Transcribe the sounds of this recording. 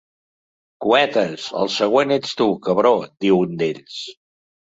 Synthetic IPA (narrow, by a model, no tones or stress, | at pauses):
kuɛt̪əsə̰lˠsəɣ̞wenet͡st̪ukəβɾod̪̥iwund̪eʎs